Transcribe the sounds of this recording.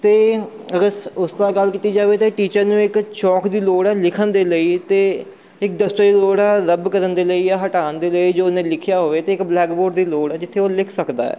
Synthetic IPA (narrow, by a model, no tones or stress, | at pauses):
t̪eː | ɾəsʊsd̪aːɡəlkiːt̪iːd͡ʒaːʋeːt̪eːʈiːt͡ʃəɾnũːɪkt͡ʃɔːkd̪iːloːɽɛːlɪkʰənd̪eːləiːt̪eː | ɪk̚d̪əst̪əiːloːɽɛːɾəbkəɾənd̪eːləiːaːɦəʈaːənd̪eːləiːd͡ʒoːnẽːlɪkʰɪjaːɦoːʋeːt̪eːɪkblɛːkboːɖd̪iːloːɽɛːd͡ʒɪt̪ʰːeːoːlɪkʰsəkd̪a̰ːɛ̰ː